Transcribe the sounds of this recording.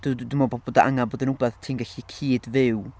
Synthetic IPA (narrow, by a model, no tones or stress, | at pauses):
d̥udumɔbɔboːdaʔa̰ŋaboːdənʊbɛθtʰiːnɡaɬikʰiːdvɪw